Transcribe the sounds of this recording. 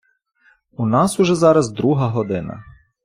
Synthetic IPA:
unɑsuʒɛzɑɾɐzd̪ɾuɦɐɦɔd̪ɪnɐ̰

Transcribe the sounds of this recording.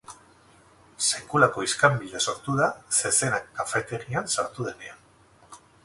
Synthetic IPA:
se̞kulako̞iskambild̪e̞so̞ɾt̪uðase̞se̞nakːafe̞t̪e̞ɾiansaɾt̪uð̞e̞ne̞an

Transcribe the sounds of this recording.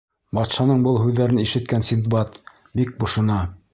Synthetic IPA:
bɑt̪ʃɑnɤɴbɤlˠɦʉðːæɾɘniʃɘ̆t̪̚kænsʲint̪bɑt̪ | bik̚bŏʃŏnɑ

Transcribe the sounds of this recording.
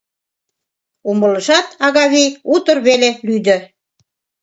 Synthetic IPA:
umələ̆ʃɑt̪ɑɣɑβijut̪ə̆rβelelyd̪ø̆

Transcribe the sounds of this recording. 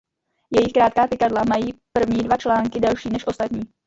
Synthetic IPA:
jɛjɪxkɾaːt̪̚kaːpɪkadlamajiːpr̩vɲiːdvat͡ʃlaːŋkɪdɛlʃiːnɛʃʔo̞st̪at̪ɲiː

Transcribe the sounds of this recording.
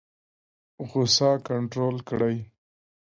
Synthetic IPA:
ɣʊsɑkaɳʈɾolkɽaj

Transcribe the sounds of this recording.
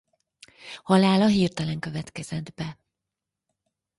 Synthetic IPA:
hɒlaːlɒɦiːrt̪ɒlɛŋkø̞vɛt̪kɛz̥ɛd̪bɛ

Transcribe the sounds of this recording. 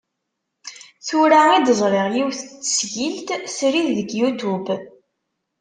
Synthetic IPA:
θʊɾaid̪əzˤɾˤeʁjiwθət͡sːə̥sʝilt̪sɾiððəɡjut̪ub

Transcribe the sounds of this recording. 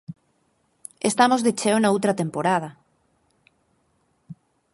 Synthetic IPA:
est̪amozðet͡ʃeonaowt̪ɾat̪empoɾað̞a

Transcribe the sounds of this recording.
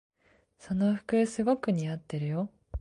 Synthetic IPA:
so̞noɸɯ̟̥kɯ̟sɨɡokɯ̟ɲ̟iat̪ːe̞ɾɯ̟jo

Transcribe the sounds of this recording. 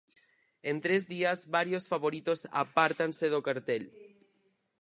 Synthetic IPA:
ent̪ɾezðiazβaɾjosfaβoɾit̪osa̰paɾt̪anseðokaɾt̪el

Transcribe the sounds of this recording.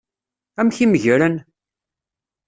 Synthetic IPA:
æmçiməʝɾən

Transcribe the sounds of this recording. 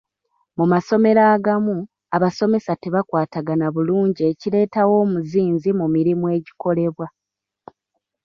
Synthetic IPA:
mumaso̞me̞ɾaːɡamu | aβaso̞me̞sate̞βakwaːtaɡanaβuluːɲɟieciɾe̞ːtawo̞ːmuziːnzimumiɾimue̞ːɟi̥ko̞le̞βwa

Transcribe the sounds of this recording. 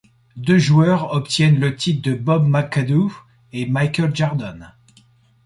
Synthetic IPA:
d̪øʒuœʁɔpt̪jɛnlət̪ʰit̪̚d̪əbɔbmakad̪u | emajkʲəlʒaʁd̪ɔn

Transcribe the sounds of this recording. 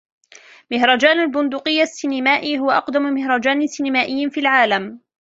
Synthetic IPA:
mɪhɾˤɑd͡ʒaːnalbʊnd̪ʊqɪjːasːɪnɪmaːʔiɦʊwaʔɑqd̪ammɪhɾˤɑd͡ʒaːnɪsɪnamaːʔɪjːanfiːlʕaːlam

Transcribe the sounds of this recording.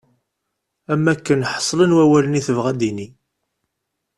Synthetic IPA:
æmːækːənħə̥sˤːlənwæwæləniθəvʁæd̪ini

